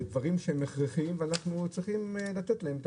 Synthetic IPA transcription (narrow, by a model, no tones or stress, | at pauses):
d̪vaʁimʃeemeχʁiχiimveanaχnut͡sʁiχimlat̪etlaemt̪